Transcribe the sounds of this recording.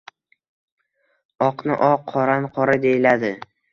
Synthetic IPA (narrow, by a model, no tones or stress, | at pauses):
ɒqnɪ̰ʔɒqʰːɒɾanqʰɒɾad̪e̞jɪlad̪ɪ